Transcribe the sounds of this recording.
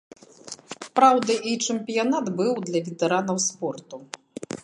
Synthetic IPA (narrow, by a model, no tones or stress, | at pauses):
pɾawd̪ɐʔit͡ʂɛmpʲijanat̪bɨwd̪lʲɐvʲɛt̪ɛɾanɐwspɔrt̪u